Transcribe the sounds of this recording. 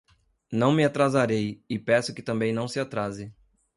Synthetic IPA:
nɐ̃w̃mɪat̪ɾazaɾejɪpɛsʊ̥kɪt̪ɐ̃mbẽj̃nɐ̃w̃sɪat̪ɾazɪ

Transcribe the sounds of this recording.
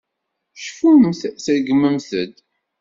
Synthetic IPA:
ʃfuθθəɾɡəmːəmθəd̪

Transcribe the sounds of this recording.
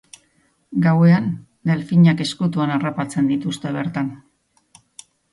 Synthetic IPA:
ɡawe̞aŋ | d̪elfiɲake̞skut̪̬uanarapat͡se̞nd̪it̪ust̪e̞βe̞ɾt̪an

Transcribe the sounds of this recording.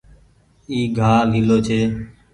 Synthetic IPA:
iːɡʱaːliːloːt͡ʃʰeː

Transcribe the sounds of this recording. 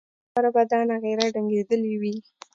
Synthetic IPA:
aɾabad̪ɑnaɣeɾaɖaŋɡed̪əliwi

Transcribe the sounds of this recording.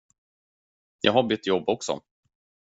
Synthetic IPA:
jʔɑ̰ɡɦaɾbʏt̪ːjɔbːɔksɔ̰

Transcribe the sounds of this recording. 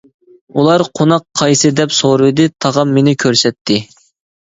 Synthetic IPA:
ulˠɑɾqʰonɑqʰːɑjsɨd̪ɛpsoɾɨd̪ɪt̪ʰɑʁɑmːenɪkʲʰøɾsɛt̪ʰːɪ

